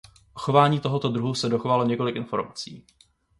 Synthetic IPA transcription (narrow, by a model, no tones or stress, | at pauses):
ʔoxo̞vaːɲiːt̪o̞ɦo̞t̪o̞d̪ɾuɦusɛdo̞xo̞valo̞ɲɛko̞lɪkʔɪnfo̞ɾmat͡sḭː